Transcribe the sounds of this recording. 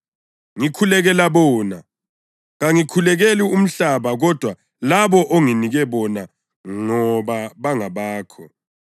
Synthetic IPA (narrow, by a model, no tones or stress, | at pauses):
ŋikʰulɛɣɛlaβɔːna | ɣaŋikʰulɛɣelium̩ɬaβaɣɔd̥ʱwa | laβɔʔoŋiniɣɛβɔna | ŋɔβaβaŋaβaːkʰɔ̰